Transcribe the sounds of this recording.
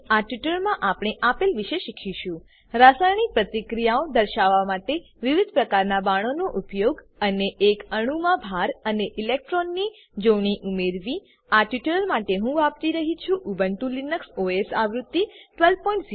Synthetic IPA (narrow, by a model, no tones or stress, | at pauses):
aʈiʈəɾmãʔapɽ̃eʔapelʋiʃeʃikʰiʃũ | ɾasajɳ̃ipɾət̪ikɾijaod̪əɾʃaʋamaʈe | ʋiʋid̪ʱpɾəkaɾnabaɽ̃onoʔupjoɡ | əneʔːkəɽ̃umãbʱaɾəneʔɪlek̚ʈɾɔnːi | d͡ʒoʋɳ̃iʔumeɾʋi | aʈiʈəɾəɾmaʈeɦũʋap̚t̪iɾəɦit͡ʃʰuʔubəɳʈulinəksoesaʋɾut̪ːiʈʋelpɔĩɳʈs